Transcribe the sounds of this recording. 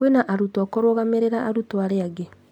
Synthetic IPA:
wenaʔaɾutoɔkoɾoɣameɾeɾaʔaɾutoaɾeaɡe

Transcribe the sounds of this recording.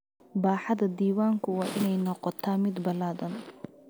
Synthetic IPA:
baːħɑðɐd̪iːwaːŋkʰʊwɑːʔɪnɛjnɔqɔt̪ʰaːmɪd̪bɐlaːðɐn

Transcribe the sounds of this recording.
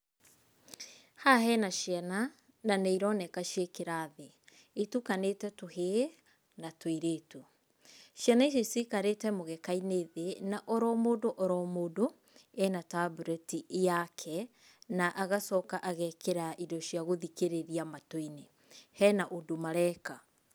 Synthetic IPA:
haɦɛnaʃjana | naneiɾɔnɛkaʃekeɾaðe | etukanetɛtohe | natoiɾeːtu | ʃianaiʃ̬eisikaɾetɛmoɣɛkaineðenaʔoɾɔmoːdoʔɔɾɔmoːdo | ɛnatabuɾɛtijakʰɛ | naʔaɣasɔkaʔaɣɛkeɾaʔidɔʃiaɣoðikeɾeɾiamatoine | hɛnaʔodomaɾɛka

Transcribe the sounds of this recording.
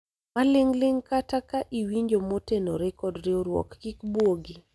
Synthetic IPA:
malɪŋlɪŋkatakaʔiwiɲd͡ʒomotenoɾɛkɔdɾioɾwɔ̰kːikbwoɡi

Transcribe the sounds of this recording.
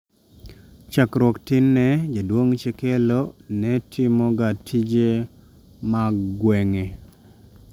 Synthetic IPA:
t͡ʃakɾwɔktɪnːɛd͡ʒadwoŋt͡ʃɛkelonɛtʰimoɡatʰid͡ʒe | maɡwɛŋe

